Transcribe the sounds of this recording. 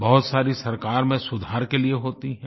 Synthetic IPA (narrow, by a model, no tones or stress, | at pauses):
bɐɦʊt̪saːɾisɐɾkaːɾmẽsʊd̪ʱaːɾkelieɦoːt̪iɦɛ̃ː